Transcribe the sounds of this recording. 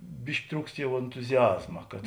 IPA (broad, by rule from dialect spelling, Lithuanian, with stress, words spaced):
ˈbʲɪʃʲkʲɪ ˈtruːkst ˈjɛʊ ɛntʊzʲɪˈɑːzmɐ kɐt